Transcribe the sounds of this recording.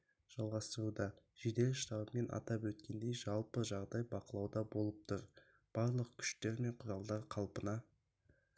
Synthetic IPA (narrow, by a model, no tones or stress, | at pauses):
ʒ̥ɑlˠʁɑst̪əɾud̪ɑ | ʒ̥ed̪e̞lʃt̪ɑbəme̞nʔɑ̰t̪ɑpwɵt̪kʲe̞nd̪e̞jʒɑlˠpəʒɑʁd̪ɑjbɑqəlˠɑwd̪ɑbo̞lˠəp̚t̪ʰʊɾ | b̥ɑɾlˠəq̚kʲʰʏ̥ʃt̪e̞ɾme̞ɴqʰʊɾɑlˠd̪ɑɾqʰɑlˠpənɑ